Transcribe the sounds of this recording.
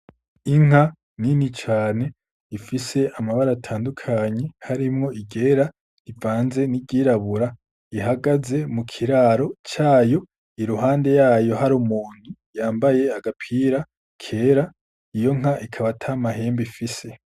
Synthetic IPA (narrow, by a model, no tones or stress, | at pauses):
iŋ̥a | ninit͡ʃaːne̞ | ifise̞ʔamaβaɾatʰaːndukʰaɲe̞haɾimŋo̞ʔiɟe̞ɾa | ivaːnze̞niɟiɾaβuɾa | iɦaɡaze̞mukʰiɾaːɾo̞t͡ʃaːjo̞ | iɾuɦaːnde̞jaːjo̞ɦaɾumuːn̥ujaːmbaje̞aɡapʰiːɾa | kʰe̞ɾa | ijo̞ŋ̥aʔikʰaβatʰamaɦe̞ːmbifise̞